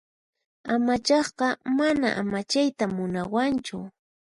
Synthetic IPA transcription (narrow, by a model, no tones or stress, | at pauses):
amat͡ʃɑχɢɑmana̰ʔamat͡ʃajt̪amʊnawant͡ʃʊ̰